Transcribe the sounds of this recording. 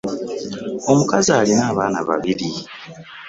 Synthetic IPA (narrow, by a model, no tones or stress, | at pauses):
o̞mukazialinaːβaːnaβa̰βili